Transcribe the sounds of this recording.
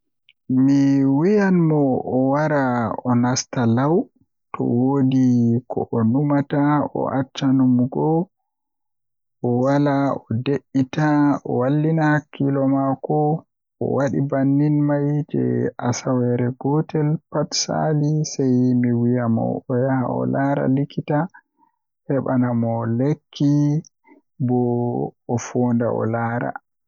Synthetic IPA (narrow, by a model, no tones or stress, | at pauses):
miwijanmɔʔɔwaɾaɔnastalaw | tɔ̰wodikʰɔ̰ʔɔnumataɔ̰ʔat͡ʃːanumɡɔ | ɔwalaɔdeʔːitaɔ̰walːinahakʰːilɔmakɔ | ɔ̰waɗibanːinmajd͡ʒɛ̰asawɛɾɛɡɔtɛlpatsa̰lisajmiwijamɔ̰ɔjaha̰ɔ̰laɾa̰likʰːita | hɛɓanamɔlekʰːi | bɔɔfoːnda̰ɔ̰laːɾa̰